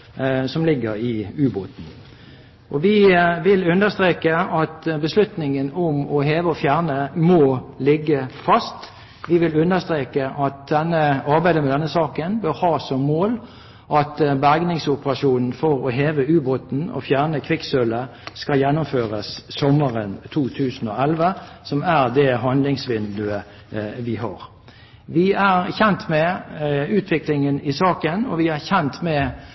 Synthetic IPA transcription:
sɔmlɪɡːəʁɪʉːbʊt̪n̩ | ʔɔʋɪʋɪlʉnd̪əst̪ʁeːkəɑt̪bəslʉt̪nɪŋənɔmɔɦeːʋəɔfjæːʁnəmɔlɪɡːəfɑst̪ | ʋɪʋɪlʉnd̪əst̪ʁeːkəʔɑt̪̚d̪ɛnːəɑʁbæɪd̪əmɛd̪ɛnːəsɑːkənbœʁhɑːsɔmːoːl | ʔɑt̪bæɡnɪŋsʊpəʁɑʂuːnn̩fɔʁɔɦeːʋəʉːbʁʊt̪n̩ɔ̰fjæːʁnəkʰʋɪksœləskɑjɛnːʊmføːʁəsːɔmːəʁənt̪ʰuːt̪ʰʉːsn̩ɔɛlʋəsɔmæʁd̪ɛɦɑnd̪lɪŋsʋɪnd̪ʉə | ʋɪɦɑ̰ːʁ | ʋɪæʁçɛnt̪mɛʉːt̪ʰʋɪklɪŋənɪsɑːkənɔ̰ʋɪæʁçɛnt̪mɛ

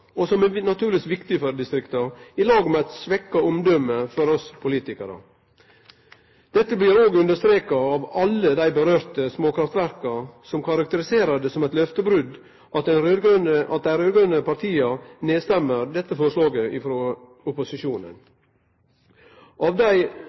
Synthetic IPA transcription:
ɔsɔmɛnɑt̪ʰʉːɾlɪsʋɪkt̪ɪfɔɾd̪ɪst̪ɾɪkt̪əɾɪlɑːɡmɛæɪt̪sʋɛkːɑɔmd̪ɔmːəfɔɾɔspʰʊliːt̪ɪkəɾə̰ | d̪̥ɛt̪ːəblɪɾoːɡʉnd̪əʂt̪ɾeːkɑɑʋɑlːəd̪æɪbəɾøːɾt̪əsmoːkɾɑft̪ʋæɾkɑsɔmkʰɑɾɑk̚t̪əɾɪseːɾəd̪ɛsɔmɛɪt̪lœft̪əbɾʉd̪ | ʔɑt̪ɛnɾøɡnəɑt̪̚d̪æɪɾøːd̪ɡʉnəpɑʈ̪ʰiːəneːst̪ɛmːəɾd̪ɛt̪ːəfɔɾʂlɑːɡəʔɪfɾo | ʊpʊsɪʃuːnə̰n | ʔɑʋd̪æɪ

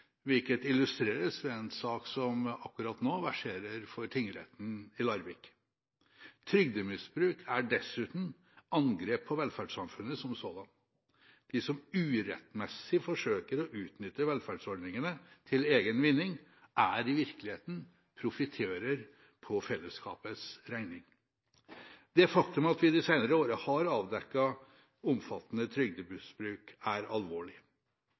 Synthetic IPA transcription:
ʋɪlkət̪ɪlːʉst̪ɾeːɾəsʋɛɛnsɑːksɔmɑkːʉɾɑt̪noːʋæʂeːɾəɾfɔɾt̪ʰɪŋːɾɛ̰t̪ːn̩ɪlɑɾʋɪk | t̪ʰɾʏɡ̚d̪əmɪsbɾʉːkʰæɖɛsʉːt̪n̩ | ɑnɡɾeːpʰːɔʋɛlfæɖʂɑmfʉnːəsɔmsoːd̪ɑn | d̪̥ɪsɔmʉːɾɛ̰t̪mɛsːɪfɔʂøːkəɾɔʔʉːt̪nʏt̪ːəʋɛlfæɖsɔɖnɪŋənət̪ʰɪleːɡənʋɪnːɪŋ | ʔæɾɪʋɪɾklɪheːt̪n̩ | pʰɾʊfɪt̪ʰeːɾəɾ | pʰɔfɛlːəskʰɑ̰ːpəsɾæɪnɪŋ | d̪̥ɛfɑkt̪ʉmɑt̪ʋɪd̪ɪsæɪnəɾəoːɾəhɑɾɑːʋd̪ɛkːɑ | ʊmfɑt̪ːənət̪ʰɾʏɡ̚d̪əbʉsbɾʉːkæɾɑlʋoːɭɪ

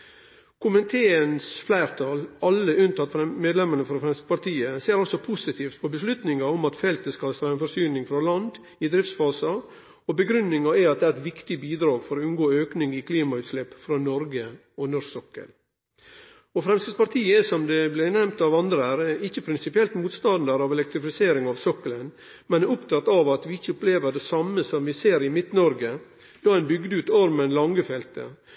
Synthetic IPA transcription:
kʰʊmənt̪ʰeːənsflæɪɾt̪ʰɑlɑlːəʉnt̪ʰɑt̪fɛmeːd̪lɛmənəfɾɔfɾɛmst̪əpɑɾt̪ʰiːəseːɾɔlsɔpʰʊsɪt̪ʰiːft̪pʰɔbəslʉt̪nɪŋɑɔmɑt̪fɛlt̪əskɑlst̪ɾːɛnfɔsyːnɪŋfɾɑlɑnd̪ | ɪd̪ɾɪft̪sfɑːsɑ | ɔbəɡɾʉnːɪŋɑɛɑt̪̚d̪ɛæːɾɛt̪ʋɪkt̪ɪbiːd̪ɾɑːɡfɔɾɔʉnɡoːøːknɪŋɪkʰliːmɑʉːt̪slɛpfɾɑːnɔɾɡə | ɔnɔɾsɔkːə̰l | ɔfɾɛmst̪ɪspɑɾt̪ʰiːəsɔmd̪ɛblɪɾnɛmt̪ɑʋɑnd̪ɾəæːɾɪçːəpʰɾɪnsɪpɪɛlt̪muːt̪st̪ɑnd̪ɑɾɑʋɛlɛk̚t̪ɾɪfɪseːɾɪŋɑʋsɔkːələn | mɛnæʊpt̪ʰɑt̪ːɑʋɑt̪ʋɪɪçːəʊpleːʋəɖɛsɑmːəsɔmʋɪseːɾɪmɪt̪nɔɾɡə | d̪ɑːæɪnbʏɡd̪əʉːt̪ɔɾmənlɑŋːəfɛlt̪ə̰

